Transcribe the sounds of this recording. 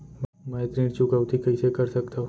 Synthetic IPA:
mmɛ̃et̪ɾiːɽt͡ʃukəʋt̪ʰikɐɦisekɐɾsɐkt̪aɦũ

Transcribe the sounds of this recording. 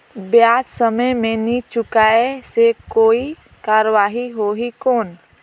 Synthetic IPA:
bjaːd͡ʒsəməjmẽnit͡ʃʊkaesekoːi | kaːɾəʋaːɦiɦoɦikoːn

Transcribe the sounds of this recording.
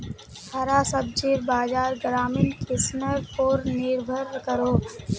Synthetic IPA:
hʰaɾaːsəb̚d͡ʒiːɾbaːd͡ʒaːɾɡɾaːmiːnkɪsnəɾoːɾnɪɾbʱəɾkəɾoː

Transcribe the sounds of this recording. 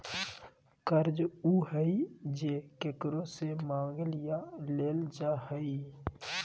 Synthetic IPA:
kəɾd͡ʒuːɦəid͡ʒeːkekɾõsemãːŋɡlɪjaleːld͡ʒaːhəi

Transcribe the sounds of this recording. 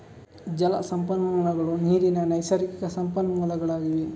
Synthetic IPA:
d͡ʒɐlɐ̰sɐmpɐnːɐɐlɐɡɐɭuniːɾinɐnɐjsɐɾikikɐsɐmpɐnːɐɐlɐɡɐɭaːɡiʋi

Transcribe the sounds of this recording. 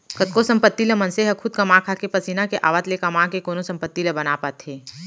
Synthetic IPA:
kɐt̪̚kosɐ̃mpət̪ːiləmɐnseɦəkʰʊd̪̚kɐmãkʰaːkepɐsiːnakeʔa̰ːʋət̪lekɐmãːkekoːnosɐ̃mpət̪ːiləbɐnapət̪ɦeː

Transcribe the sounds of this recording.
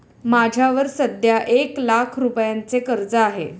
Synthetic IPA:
mad͡ʑʱjaʋəɾsəd̪ʱjaʔeklakʰɾupjant͡sekəɾd͡zəaɦe

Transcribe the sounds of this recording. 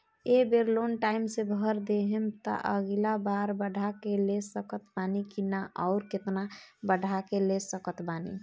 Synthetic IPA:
ebeɾlonʈaːɪmsebʱəɾd̪eɦemt̪ɔ̰ʔəɡilabaɾbəɽʱakelesəkət̪baːnikinaʔɔʊɾkɪt̪nabəɽ̤ʱakelesəkət̪baːnḭ

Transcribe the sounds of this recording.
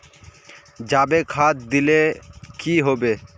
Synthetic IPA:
d͡ʑabekʰat̪d̪ilekiɦobe

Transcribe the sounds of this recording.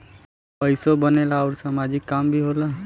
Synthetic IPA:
pəɪsobənelaɔːɾsamad͡ʒɪkːambʱiɦola

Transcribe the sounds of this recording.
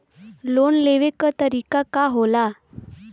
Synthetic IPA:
lonleʋekət̪əɾikakaɦola

